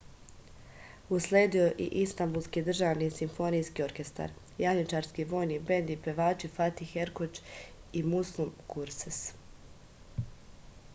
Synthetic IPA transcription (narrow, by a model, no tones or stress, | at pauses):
usle̞ːd̪io̞ʔḭʔist̪ambulˠskid̪r̩ʒaːʋnisimfo̞nijskio̞ɾke̞st̪a̰ɾ | jaɲit͡ʃaːɾskiʋo̞ːjnibe̞nd̪ipe̞ʋaːt͡ʃifat̪ixeɾkot͡ʃ | imuslˠumkʰuɾses